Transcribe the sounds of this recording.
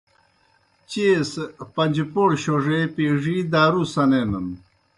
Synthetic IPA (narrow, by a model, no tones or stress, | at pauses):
t͡ɕespɐɲd͡ʑipoɽɕoʐepiːʐid̪aːɾusɐnenən